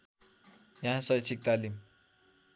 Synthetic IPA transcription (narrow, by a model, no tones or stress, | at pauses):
jãɦãsʌjt͡sʰik̚t̪alim